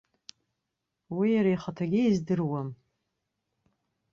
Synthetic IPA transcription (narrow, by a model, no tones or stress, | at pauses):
wijaɾaiχatʰaɡʲɪizdɨrwam